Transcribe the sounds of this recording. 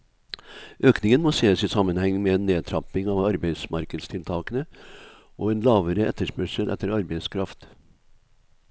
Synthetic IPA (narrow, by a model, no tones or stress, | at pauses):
ʔøːknɪŋənmoːseːəsisɑmːənhɛŋːmɛeːnːeːt̪ʰɾɑpɪŋɑːʋɑɾbæɪsmɑɾkəd̪st̪ʰɪlt̪ʰɑːkənə | ʔoːɛːnlɑːʋəɾəɛt̪ːəʂpœʂəlʔɛ̰t̪ʰːəɾɑɾbɛɪskʰɾɑft̪